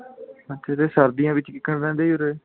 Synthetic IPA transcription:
əʃʰaːd̪eːsəɾd̪ijãːʋɪt͡ʃkɪkːəɳɾɛ̃ːnd̪eːioɾeː

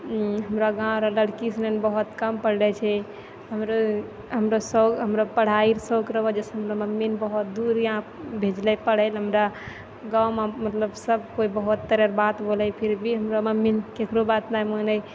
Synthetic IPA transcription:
ɦəmɾaɡãɾələɽkisnenbəɦut̪kəmpəɽlɛt͡ʃʰɛ | ɦəmɾo | ɦəmɾosəɦəmɾapəɽ̤aiɾsəkɾəbɔd͡ʒeseɦəmɾaməmːinbəɦut̪̚d̪uɾjãbʱed͡ʒlɛpəɽɛlɦəmɾa | ɡawmamət̪ləbsəb̚ʱkoibəɦut̪ːəɾəɾbat̪bolɛpʰiɾbʱiɦəmɾaməmːinkekɾobat̪najmənəj

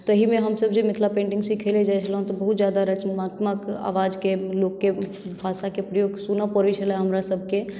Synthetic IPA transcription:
t̪əɦimeɦəmsəbd͡ʒemit̪ʰlapẽɳʈiŋɡsikʰeled͡ʒajt͡ʃʰələɦũt̪ɔbəɦut̪̚d͡ʒjad̪aɾət͡ʃənmat̪məka̰ʋad͡ʒkelokːe | bʱasakepɾəjoɡsunəpəɾit͡ʃʰəlɛ̃ɦəmɾasəbʱke

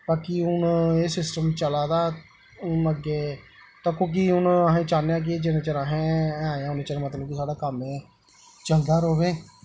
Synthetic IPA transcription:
paːkiʊneːsɪsʈəmt͡ʃəlaːd̪aː | ʊnəɡeː | t̪ãːkõːk̬iʊnəɦẽːt͡ʃaːnejãːk̬ɪeːd͡ʒɪnẽt͡ʃəɾaɦẽːaːeãːʊneːt͡ʃəɾmət̪ləbkɪsaːɖaːkəmeː | t͡ʃəld̪aːɾoːʋeː

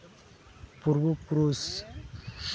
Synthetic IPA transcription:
puɾbopɾos

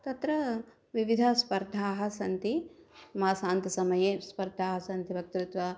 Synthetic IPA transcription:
t̪ɐt̪ɾɐ | ʋiʋid̪ʱɐspɐɾd̪ʱːaːɦɐ̆sɐnt̪imaːsaːnt̪ɐsɐmɐjeːspɐɾd̪ʱaːɦɐsɐnt̪ibʱɐk̚t̪ɾut̪ʋɐ

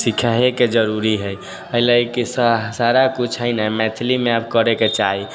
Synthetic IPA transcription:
sikʰaɦeked͡ʒəɾuɾiɦəj | əɦilakisasaɾakut͡ʃʰɦəjnəmɛt̪ʰlimeabkəɾeket͡ʃaɦi

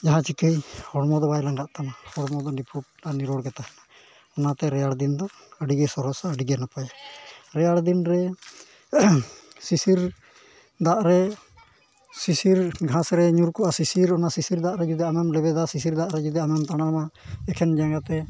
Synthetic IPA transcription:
d͡ʒaɦãt͡ʃikəjhɔɽmɔd̪ɔbajlaŋɡaʔt̪anahɔɽmɔd̪ɔnipʰuʈ̚ːaniɾɔɽɡɛt̪a | ɔnat̪ɛɾɛjaɽd̪ind̪ɔ | əɖiɡɛsɔɾɔsaəɖiɡɛnapajaɾɛjaɽd̪inɾɛ | sisiɾ | d̪aʔɾɛ | sisiɾɡʱãsɾɛɲuɾkɔʔasisiɾɔnasisiɾd̪aʔɾɛd͡ʒud̪ɛamɛmlɛbɛd̪asisiɾd̪aʔɾɛd͡ʒud̪ɛamɛmt̪aɽ̃ama | ɛkʰɛnd͡ʒaŋɡat̪ɛ

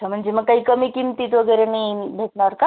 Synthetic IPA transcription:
am̤əɳd͡ʑeməɡkaɦikəmikimt̪it̪ʋəɡəjɾenaibʱetnaɾka

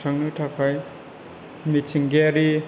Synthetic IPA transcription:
sʰaŋnɯtʰakʰaj | mit͡ʃiŋɡeɾi

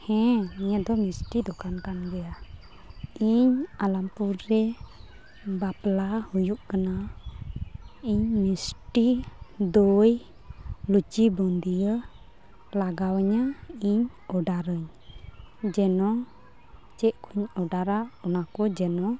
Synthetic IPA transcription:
hɛ̃iɲəd̪ɔmisʈid̪ɔkankanɡɛja | iɲalampuɾɛ | baplahujuʔkəna | iɲmisʈid̪oj | lut͡ʃibɔnd̪ijə | laɡawɲaiɲ | ɔɖaɾəɲ | d͡ʒɛnɔ | t͡ʃɛʔkʰuɲɔɖaɾaɔnakɔd͡ʒɛnɔ

